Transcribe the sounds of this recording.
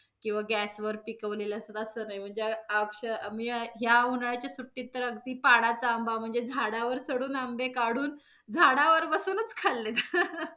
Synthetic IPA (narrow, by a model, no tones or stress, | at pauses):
kĩw̃ʋaɡæsʋəɾpikəʋleləsət̪əsəːnajm̤əɳd͡zeakɕəmiːɦjaunaɭat͡ɕjasuʈːit̪ːəɾəɡd̪iːpaɽat͡saəmbam̤əɳd͡zed͡zʱaɽaʋəɾt͡sʰəɽuːnambekaɽuːn | d͡zʱaɽaʋəɾbəsuːnət͡skʰalːet̪